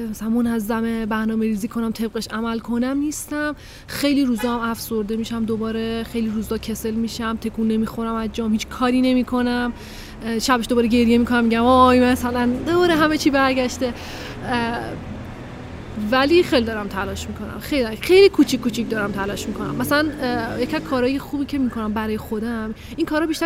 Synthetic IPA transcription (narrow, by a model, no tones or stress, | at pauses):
mæsælænmo̞næzːæmebæɾnɒːmeɾiːziːkʰo̞næmt̪ʰe̞b̚ɣeʃæmælkʰo̞næmnist̪æm | xe̞jliɾuːzɒːhæmæfso̞ɾd̪e̞miːʃæmd̪obɒːɾexe̞jliɾuːzɒːcʰe̞se̞lmiːʃæmt̪ʰe̞kʰuːnːe̞miːxo̞ɾæmæzd͡ʒɒːmhiːt͡ʃʰkʰɒːɾiːne̞miːkʰo̞næm | ʃæbeʃd̪obɒːɾeɟe̞ɾje̞miːkʰo̞næmːiɟæmɒjmæsælænd̪ɒɾeɦæmet͡ʃʰiːbæɾɟæʃt̪e̞ | væliːxejlid̪ɒɾæmt̪ʰælɒːʃmikʰo̞næ̰mxejlixe̞jlikʰut͡ʃʰikkːuːt͡ʃʰic̚d̪ɒɾæmt̪ʰælɒːʃmikʰo̞næ̰mːæsælænjecʰiæzkʰɒːɾɒːjexubiːcʰe̞mikʰo̞næmbæɾɒːjexo̞d̪æm | iŋkʰɒːɾhɒbiʃt̪æ